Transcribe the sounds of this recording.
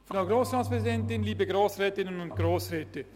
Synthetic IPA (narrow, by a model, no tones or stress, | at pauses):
fnaɡɾoːsɾɑːtspɾɛzidɛntɪnliːbəɡɾoːsɾɛːtɪnənʊnt̚ɡ̥ɾoːsɾɛːtə